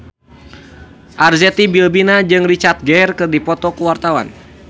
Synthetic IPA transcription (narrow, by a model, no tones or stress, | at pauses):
ʔarzɛt̪ibilbinad͡ʒɨŋrit͡ʃart̪̚ɡɛjrkɨrdipɔt̪ɔkuwart̪awa̰n